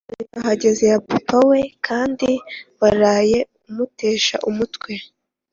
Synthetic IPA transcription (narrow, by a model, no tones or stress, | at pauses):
aɦaɟe̞ze̞japipawe̞kʰaːndiwaɾaːje̞ | umute̞ːʃa̰ʔumutkwe̞